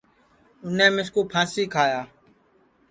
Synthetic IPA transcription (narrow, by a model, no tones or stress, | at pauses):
ʊnẽːmɪskoːpʰãːsiːkʰaːjaː